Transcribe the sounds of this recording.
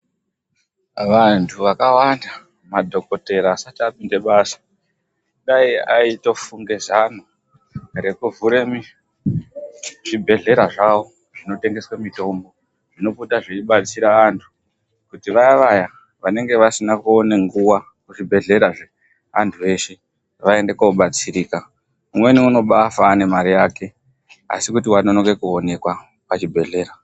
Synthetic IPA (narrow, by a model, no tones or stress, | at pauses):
ʋantʰuʋakawanda | madʱo̞ko̞te̞ɾaːsatiapinde̞ɓaːsḁ | ɗaiaito̞fuŋɡezan̤u | re̞kuvuɾemi | ʐibʱe̞ɮe̞ɾaʐaʋo̞ | ʐino̞te̞ŋɡe̞swamito̞mbo̞ | ʐ̥ino̞putaʐiiɓat͡siɾaantʰu̥ | kutiʋaiʋaja | ʋane̞ŋɡe̞ʋasinakuoneŋɡuwa | kuʐibʱe̞ɮe̞ɾaʐe | a̰ntʰue̞ʃe̞ | ʋae̞ndekouɓat͡siɾiːka | umwe̞niuno̞ɓafane̞maɾijaːke̞ | a̰sikut̬iwano̞noɡe̞kuone̞kwa | pat͡ʃibʱe̞ɮe̞ːɾa